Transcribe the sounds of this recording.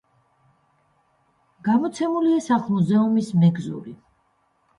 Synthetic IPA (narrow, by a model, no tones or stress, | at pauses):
ɡ̥amɔt̪sʰɛmuliasaχmuzɛumismɛɡzṵɾi